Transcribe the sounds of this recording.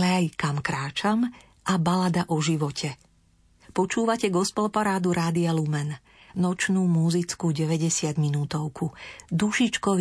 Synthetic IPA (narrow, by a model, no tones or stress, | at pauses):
lɛajkamkɾaːt͡ʃam | ʔabalad̪aʔɔʒiʋɔcʰɛ | pɔt͡ʃuːʋacɛɡɔspɔlpaɾaːd̪uɾaːd̪ialumɛn | nɔt͡ʃnuːmuzit͡skuɟɛʋɛɟɛsɪad̪minuːt̪ɔʊkʰud̪uʃit͡ʃkɔʋ